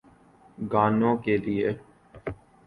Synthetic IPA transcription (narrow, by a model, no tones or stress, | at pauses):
ɡaːnõːkelie